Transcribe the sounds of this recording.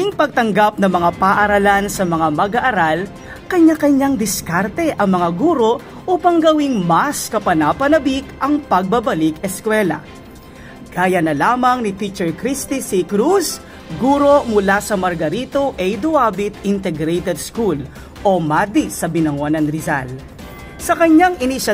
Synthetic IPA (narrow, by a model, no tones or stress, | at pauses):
iŋpɐɡ̚t̪ɐŋɡap̚nɐmɐŋapɐːʔɐɾɐlansɐmɐŋamɐɡaʔɐɾal | kɐɲakɐɲaŋd̪ɪskaɾt̪ɛʔɐŋmɐŋaɡuːɾo̞ | ʔuːpɐŋɡɐwiŋmɐskɐpɐnapɐnɐbikʔɐŋpɐɡ̚bɐbɐlikɛskwɛlɐ̰ | ɡ̥aːjɐnɐlaːmɐŋnit̪it͡ʃɛɹkɾist̪isikɾus | ɡuːɾo̞mʊlasɐmɐɾɡɐɾit̪oʔɛjd̪ʊʔaːbɪt̪ɪnt̪ɛɡɾejt̪ɛd̪skul | ʔo̞mad̪isɐbɪnɐŋonɐnɾɪza̰l | sɐkɐɲaŋʔɪnɪʃɐ